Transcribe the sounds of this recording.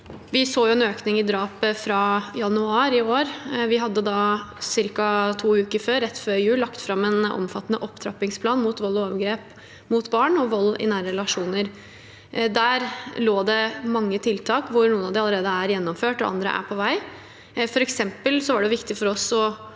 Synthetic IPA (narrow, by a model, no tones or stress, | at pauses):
ʋɪsoːjʊɛnøːknɪŋɪd̪ɾɑːpəfɾɑːjɑnʉɑːɾɪoːɾʋɪɦɑd̪ːəd̪ɑːsɪɾkɑt̪ʰuːʉːkəɾføːɾɛt̪ːføːɾɪjʉːlːɑkt̪fɾɑmːɛnʔɔ̰mfɑt̪ːənəʔɔpt̪ʰɾɑ̰pɪŋspʰlɑːnmʊt̪ʋɔlːɔɑːʋəɡɾeːp | mʊt̪bɑːɳɔʋɔlːɪ̰næːɾəɾɛlɑʂuːnəɾ | d̪æːɾloːd̪ɛmɑŋːət̪ʰɪlt̪ʰɑːkʋʊɾnuːənɑʋd̪ɪɑləɾeːd̪əæɾjɛnːɔmføːʈɔɑ̰nd̪ɾə̰ʔæ̰pʰɔʋæɪ | fɔɾɛksɛmpəlsɔʋɑɖɛʊʋɪkt̪ɪfɔɾɔsɔ